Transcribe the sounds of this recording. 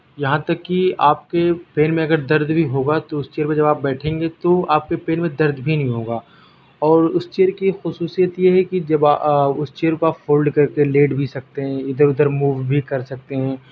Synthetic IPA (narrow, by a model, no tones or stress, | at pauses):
jɐɦãt̪ɐkːiaːp̚kepeːnmẽɐɡəɾd̪ɐɾd̪bʱiɦoːɡat̪oʊst͡ʃeːəɾpẽd͡ʒɐbaːp̚bɛːʈʰẽːŋɡet̪oaːp̚kepeːnmẽd̪ɐɾd̪bʱinɐɦĩɦoːɡaː | ɔːɾʊst͡ʃeːəɾkixʊsuːsijət̪jeɦɛkid͡ʒɐbaʊst͡ʃeːəɾkoaːpfʰoːlɖkɐɾkeleːɖbʱisɐk̚t̪eɦɛ̃ɪd̪əɾʊd̪əɾmuːʋbʱikɐɾsɐk̚t̪eɦɛ̃ː